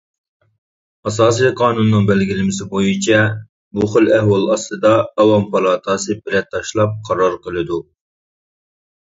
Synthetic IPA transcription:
ɑsɑːs̬ijqʰɑːnunːɨŋbɛlɡʲilɪmɪsɪbojit͡ʃʰɛ | muχəlɛhwɑlˠɑst̪ɨd̪ɑːwɑmpʰɑlˠɑːt̪ʰɑsɨbɪɾɛt̪̚t̪ʰːɑʃlˠɑp̚qʰɑɾɑɾqəlˠɨd̪u

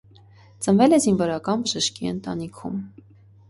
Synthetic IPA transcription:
t͡sənvɛlɛzinvɔɾɑkɑnbəʒəʃkiə̰nt̪ɑnikʰṵm

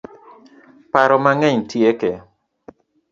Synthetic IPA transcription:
paɾɔmaŋɛɲtjeke

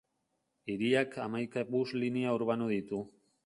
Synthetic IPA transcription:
iɾiakʰamajkaβuzliniauɾβanuðit̪u

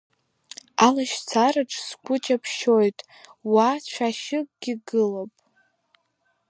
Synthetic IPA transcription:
alaʃt͡sʰaraʈ͡ʂʰʼskʷʼʊt͡ʃʼapʰʃojtʼ | wat͡ɕʷʰaʃɪkʼɡʲiɡɨlopʼ

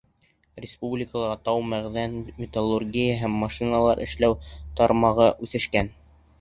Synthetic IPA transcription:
ɾʲɪspublʲɪkəlˠɑʁɑt̪ɑwmæʁðænmʲɪt̪olˠːurɡʲijəɦæmːɑʃinɑlˠɑɾʔɘ̆ʃlæwt̪ɑɾmɑʁɤʔʉθɘ̆ʃkæn

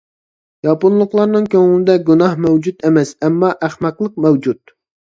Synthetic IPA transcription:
jɑpunlˠʊqlˠɑɾnɨŋkʲʰøŋɪnɪd̪ɛɡunɑhmɛwd͡ʒut̪emɛsɛmːɑʔæχmɛqlˠəq̚mɛwd͡ʒut̪

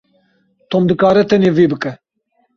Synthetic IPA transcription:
t̪oːmd̪ɨkaːɾɛt̪ʰɛneːviːbɨkɛ

